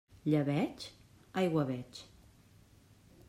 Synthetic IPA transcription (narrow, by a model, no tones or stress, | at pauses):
ʎəβɛt͡ʃ | ajɣwaβɛt͡ʃ